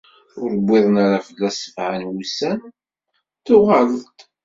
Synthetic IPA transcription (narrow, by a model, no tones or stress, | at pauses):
ʊɾəbʷːɪðˤnaɾafəðːæsəfʕanwusæn | θʊʁalt̪